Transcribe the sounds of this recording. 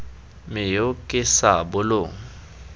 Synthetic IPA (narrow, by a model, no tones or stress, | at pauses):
mɪjokʼɪsabʊlʊŋ̩